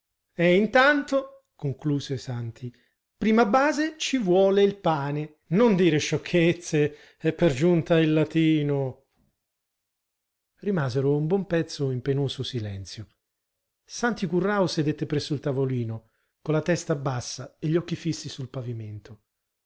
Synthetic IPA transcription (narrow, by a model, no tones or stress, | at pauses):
ɛint̪ant̪o | koŋkluːzesant̪ʰi | pɾiːmabːaːzet͡ʃivwɔːleilpaːne | nond̪iːɾeʃɔkʰːet̪sːe | ɛpːerd͡ʒunt̪ailːat̪iːno | rimaːzeɾoumbwɔmpɛt̪sːoimpenoːzosilɛnt̪sjo | sant̪ikurːaosed̪et̪ːepɾɛsːoilt̪avoliːno | kolːat̪ɛst̪abːasːaeʎːɔkːifisːisulpaviment̪ʰo